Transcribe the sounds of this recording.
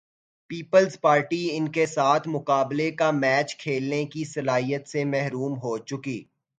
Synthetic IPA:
piːpəlzpaːɾʈiɪnkesaːt̪ʰmʊqaːblekamɛːt͡ʃkʰeːlnekisɐlaːɦijət̪semɛɦɾuːmɦot͡ʃʊkiː

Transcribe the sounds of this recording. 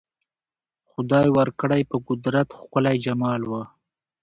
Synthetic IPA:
xʊd̪ɑjwaɾkəɽajpəɡʊd̪ɾat̪xkʊlajd͡ʒamɑlwə

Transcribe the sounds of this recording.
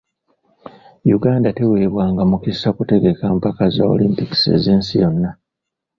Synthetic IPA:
juɡaːndate̞we̞ːβwaːŋɡamukisːakute̞ɡe̞kaːmpakazao̞̰limpiki̥se̞̰ziːnsijo̞nːa

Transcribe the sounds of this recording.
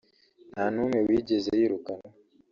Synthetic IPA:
nanumewiːɟezeiɾukano

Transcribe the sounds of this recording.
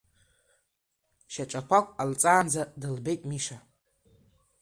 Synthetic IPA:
ʃaʈ͡ʂʼakʷʰakʷʼalt͡sʼaːnd͡zadɨlbe̞jtʼmiʂa

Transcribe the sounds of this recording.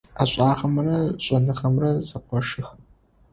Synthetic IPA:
aɕʼaːʁɐmɐrɐɕʼɐnɨχɐmrɐzɨqʷɔʂɨx

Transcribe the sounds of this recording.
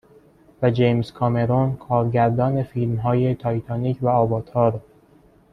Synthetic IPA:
væd͡ʒejmskʰɒme̞ɾonkʰɒːɾɟæɾd̪ɒːne̞fiːlmɦɒːje̞t̪ʰɒːjt̪ʰɑːniːcʰvæɒːbɒːt̪ʰhɒːɾ

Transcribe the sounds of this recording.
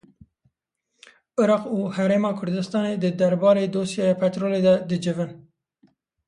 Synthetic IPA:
ɨɾɑːquːhɛɾeːmɑːkʰʊɾd̪ɨst̪ɑːned̪ɨd̪ɛɾbɑːɾeːd̪oːsjɛjɑpʰɛt̪ɾoːleːd̪ɛd̪ɨd͡ʒɪvɨn

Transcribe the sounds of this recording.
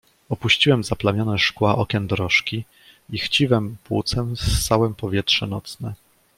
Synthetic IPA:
ɔpuɕt͡ɕiwɛmzaplamʲjɔnɛʂkwaʔɔkʲɛnd̪ɾɔʂkʲi | ixt͡ɕiwɛmpwṵt̪sɛmst̪ːawɛmpɔvʲjɛtʂɛnɔ̰t̪snɛ

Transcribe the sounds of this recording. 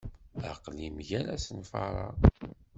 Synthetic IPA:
aqlimʝæɾæsənfɑ̰ɾˤɑ̰

